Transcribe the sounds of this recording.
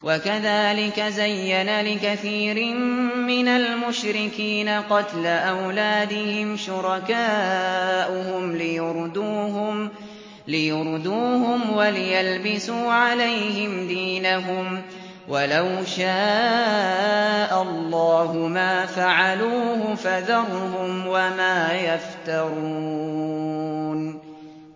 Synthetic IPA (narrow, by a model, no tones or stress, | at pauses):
wʔakaðaːlɪkazajːanalɪkaθiːɾɪmmɪnalmʊʃɾɪkiːnaqɑt̪laʔawlaːd̪ɪhɪmʃʊɾˤɑkaː | ʔʊhʊmlɪjʊɾˤd̪uːɦ | lɪjʊɾˤd̪uːhʊmwalɪjalbɪsuːʕalajhɪmd̪iːnaɦʊm | walawʃaː | ʔallˤːɑːhʊmaːfaʕaluːhʊfaðɑɾˤɦʊmwamaːjaft̪ɑɾˤuː | n